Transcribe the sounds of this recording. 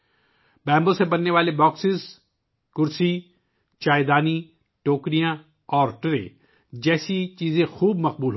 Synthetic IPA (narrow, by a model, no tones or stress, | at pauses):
bɛ̃ːmbõsẽbɐnːeʋaːlebɔːksɪz | kʊɾsi | t͡ʃaːɪd̪aːni | ʈoːkɾijã | ɔːɾʈɪɾḛ̃ | d͡ʒɛːsit͡ʃiːzẽxuːbmɐq̚buːlɦ